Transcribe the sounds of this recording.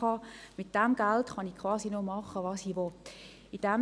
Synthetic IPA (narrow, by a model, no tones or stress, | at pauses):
ɑmɪt̚d̥ɛmɡ̥æltχɑnikʰʋɑːsinomɑχəʋɑːsiːʋɔt | id̥ɛm